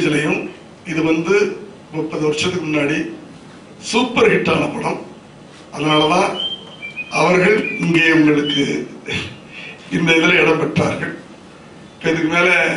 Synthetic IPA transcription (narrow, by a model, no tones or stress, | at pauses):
ðɪlɐjɯm | ɪðɯʋɐnd̪ɯ | mɔpːɐðɯʋɐɾʂɐt̪ːɯkːɯmʊnːaːɽi | suːpːɐɾɣɪʈːaːnɐpʊɽɐm | ɐðɐnaːɭɐðãː | ʔɐʋɐɾɣɐɭɪŋɡeːʋɐŋɡɐɭɯkːɯ | ɪnd̪ɐɪðɪlɐɪɽɐmpɐʈːra̰ːɾɣɐɭ | ɪpːoːɪðɯkːɯmeːlɛ